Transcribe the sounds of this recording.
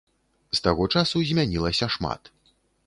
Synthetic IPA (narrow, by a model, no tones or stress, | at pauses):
st̪aɣɔt͡ʂasuzʲmʲanʲilˠɐsʲɐʂma̰t̪